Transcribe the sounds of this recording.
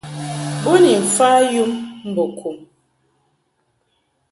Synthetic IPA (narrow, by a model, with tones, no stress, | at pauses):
bo˦ni˨m̩˨fa˦ju˦mm̩˦bo˨kʰu˨m